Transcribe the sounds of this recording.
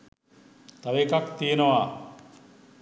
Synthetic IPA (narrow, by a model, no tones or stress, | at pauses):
t̪ɐʋekakt̪ijenɐʋa